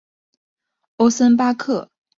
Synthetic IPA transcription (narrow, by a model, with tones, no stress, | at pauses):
o˥ʊsə˥np̬a˥kʰɤ˥˩